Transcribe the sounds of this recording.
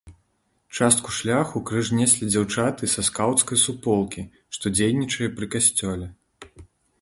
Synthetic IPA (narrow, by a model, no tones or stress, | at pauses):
t͡ʂast̪̚kuʂlʲaxukɾɨʐnʲɛsʲlʲid͡zʲawt͡ʂat̪ɨsɐskawt̪skɐjsupɔlˠkʲi | ʂt̪ɔd͡zʲejnʲit͡ʂɐjɛpɾɨkasʲt͡sʲɔlʲɛ